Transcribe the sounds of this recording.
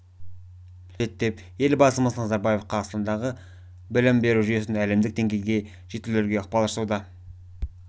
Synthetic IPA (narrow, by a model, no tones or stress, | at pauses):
se̞t̪ːe̞p | je̞lbɑsˠməsnɑzɑɾbɑje̞fqʰɑʁəst̪ɑnd̪ɑʁə | bɪlɪmbe̞ɾuʒyje̞s̬ɪnæle̞md̪ɪk̚d̪e̞ŋɡʲe̞jɡʲe̞ | ʒ̥et̪ːɪleɾɡʲe̞ʊq̚pɑlˠɑʃsuwd̪ə